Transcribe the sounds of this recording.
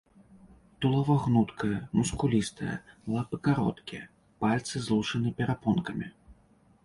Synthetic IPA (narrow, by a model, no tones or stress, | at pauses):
t̪ulˠɐvɔɣnut̪kɐjɐmuskulʲist̪ɐjɐ̰lˠapɨkaɾɔ̰t̪kʲijɛ | palʲt̪sɨzlˠuʂɐnɨpʲɛɾapɔnkɐmʲi